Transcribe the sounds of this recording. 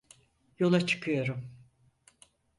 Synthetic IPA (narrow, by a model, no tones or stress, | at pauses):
jo̞lˠat͡ʃʰɯ̥kʰɯjo̞ɾum